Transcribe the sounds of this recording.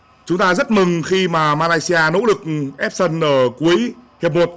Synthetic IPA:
t͡ɕʊ˨˦ŋ͡mt̪aː˧zə˦˥t̚mɨ˨˩ŋxi˧maː˨˩maː˧laː˧jsi˧ʔaː˧no̰˧˥lɨ˨˩k̚ʔɛ˦˥p̚sə˧nʔəː˧˩ku˨˦jhi˨˩əp̚mo˨˩t̚

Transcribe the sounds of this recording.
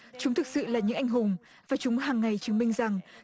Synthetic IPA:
t͡ɕʊ˨˦ŋ͡mt̪ʰɨ˨˩k̚sɨ̰˧˨laː˨˩ɲɨ̰˧˥ʔjŋ̟ɦʊ˨˩ŋ͡m | vaː˨˩t͡ɕʊ˨˦ŋ͡mɦaː˨˩ŋːa˨˩jt͡ɕɨ˨˦əŋmï˧ŋ̟za˨˩ŋ

